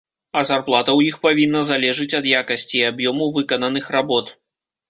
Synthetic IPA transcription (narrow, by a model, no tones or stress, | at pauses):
ɐzarplˠat̪ɐwjixpavʲinːɐzalʲɛʐɨt͡sʲɐd̪jakɐsʲt͡sʲiabjɔmɐwvɨkɐnɐnɨxrabɔt̪